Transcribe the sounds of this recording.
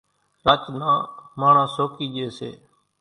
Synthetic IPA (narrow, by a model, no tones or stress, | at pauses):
ɾaːt͡ʃnãːmaːɳãːsoːkiːd͡ʒeːsḛː